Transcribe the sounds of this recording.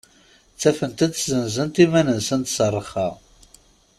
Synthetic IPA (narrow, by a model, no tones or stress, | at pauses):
t͡sːæfənt̪æt͡szənzənt̪imænənsənt̪sərˤːəχɑʁ